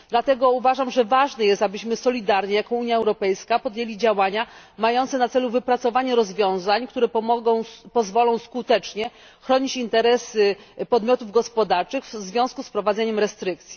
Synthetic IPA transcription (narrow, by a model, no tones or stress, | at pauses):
d̪lat̪ɛɡɔuvaʐamʐɛvaʐnɛjɛst̪abɘɕmɘsɔlʲid̪aɾɲɛjakɔ̃w̃uɲjaɛwɾɔpɛjskapɔd̪jelʲid͡ʑawaɲamajɔ̃nt̪sɛnat̪sɛluvɘpɾat̪sɔvaɲɛɾɔzvʲjɔ̃w̃zaɲkt̪uɾɛpɔmɔɡɔw̃pɔzvɔlɔ̃w̃skut̪ɛt͡ʂɲɛ | xɾɔɲit͡ɕint̪ɛɾɛspɔd̪mʲjɔt̪uvɡɔspɔd̪aɾt͡ʂɘɣvzvʲjɔ̃skuspɾɔvad̪zɛɲɛmɾɛst̪ɾɘk̚t̪sʲi